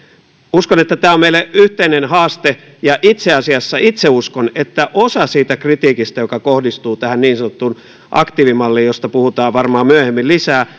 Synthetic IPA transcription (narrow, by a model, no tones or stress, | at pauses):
uskonet̪ːæt̪æːomeilːˑeʔyht̪einenhɑːst̪e | jɑʔit̪seɑsiɑsːɑit̪seuskonet̪ːæʔosɑsiːt̪ækrit̪iːkist̪ɑjokɑkohdist̪uːt̪æhænniːnsɑnot̪ːun | ʔɑ̰kt̪iːʋimɑlːiːjjost̪ɑpuhut̪ɑːʋʋɑrmɑːmyæhemːillisæː